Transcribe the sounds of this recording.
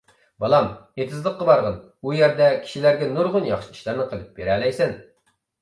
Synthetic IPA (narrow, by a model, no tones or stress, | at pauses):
bɑlˠɑmet̪ʰɨzlˠəqːɑbɑɾʁɑn | ujæɾd̪ɛkʲʰi̥ʃilæɾɡʲɛnuɾʁʊnjɑχʃiiʃlˠæɾnɨqʰəlˠɨp̚beɾɛːlɛjsɛn